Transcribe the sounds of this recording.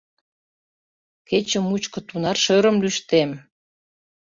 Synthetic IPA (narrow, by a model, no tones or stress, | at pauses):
ket͡ɕəmut͡ɕkə̆t̪unɑrʃøɾəmlyʃt̪em